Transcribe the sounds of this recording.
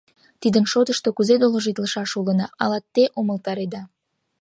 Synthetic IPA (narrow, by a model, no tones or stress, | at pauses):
t̪id̪ənʃot̪əʃt̪okuzed̪oloʒit̪ləʃɑʃulənɑʔɑlɑt̪ːeʔoməlt̪ɑɾed̪ɑ